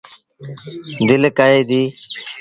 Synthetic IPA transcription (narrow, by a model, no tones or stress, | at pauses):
d̪ɪlkaːɦeːd̪iː